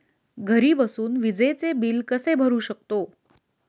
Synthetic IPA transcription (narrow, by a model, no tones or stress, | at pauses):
ɡʱəɾiːbəsuːnʋid͡zəjt͡sebiːlkəsebʱəɾuːɕək̚t̪o